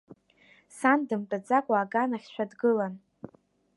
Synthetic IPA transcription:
sandɨmtʼad͡zakʷʼaːɡanaχʲʃʷᶣadɡɨlan

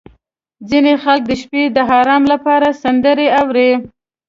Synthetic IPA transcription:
d͡zinexalk̚d̪əʃped̪əɦɑɾɑmlapɑɾasand̪əɾeawɾe

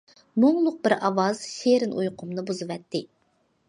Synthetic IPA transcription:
moŋlˠʊq̚bɪɾɑwɑz̥ʃeɾɪnʔujqʰʊmnɨbuzɨvɛt̪ʰːɪ

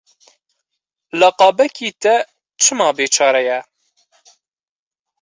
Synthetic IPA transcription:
lɐqɑːbɛkʰiːt̪ɛ | t͡ʃʰɨmɑːbeːt͡ʃʰɑːɾɛjɛ

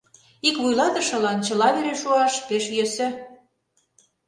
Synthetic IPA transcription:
ikβujlɑt̪ə̆ʃɤ̆lɑnt͡ɕɤ̆lɑβeɾeʃuɑʃpeʃjøsɘ̆

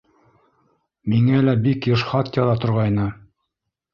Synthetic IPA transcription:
miŋælæbikjɤ̆ʃχɑt̪jɑlˠɑt̪ŏɾʁɑjnɤ

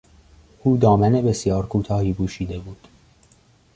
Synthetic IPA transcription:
ʔuːd̪ɒːmæne̞be̞sjɒːɾkʰuːt̪ʰɒːhiːbuːʃiːd̪e̞buːd̪̥

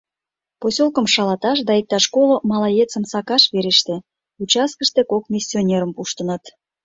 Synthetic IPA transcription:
posʲolkəmʃɑlɑt̪ɑʃd̪ɑik̚t̪ɑʃkolomɑlɑjet͡səmsɑkɑʃβeɾeʃt̪e | ut͡ɕɑs̚kəʃt̪ekok̚mʲisʲːionʲeɾəmpuʃt̪ənət̪

